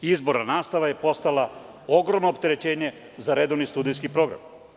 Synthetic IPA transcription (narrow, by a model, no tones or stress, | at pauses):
izbo̞ɾanaːst̪aʋaje̞po̞st̪ala | o̞ɡɾo̞mno̞ːp̚t̪e̞ɾe̞t͡ɕe̞ːɲe̞ | zaɾe̞d̪o̞ʋnist̪uːd̪ijs̬kipɾo̞ːɡɾa̰m